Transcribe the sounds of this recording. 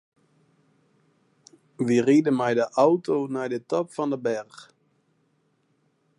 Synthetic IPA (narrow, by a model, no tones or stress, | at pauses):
ʋiridəmɛjdəʔawtonajdətɔpfɑndəbɛrx